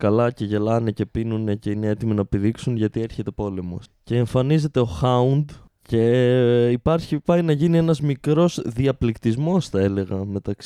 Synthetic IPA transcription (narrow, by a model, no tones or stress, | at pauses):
kɐlɐce̞ʝe̞lɐnece̞pinune̞ce̞ine̞e̞t̪iminɐepiðiksunʝɐt̪ie̞ɾçe̞t̪e̞po̞le̞mo̞̰sce̞ːɱfɐnize̞t̪e̞o̞xɐund̪ | ce̞ipɐɾçipɐinɐʝinie̞nɐzmikɾo̞zðiɐplikt̪izmo̞sθɐe̞le̞ɣɐme̞t̪ɐks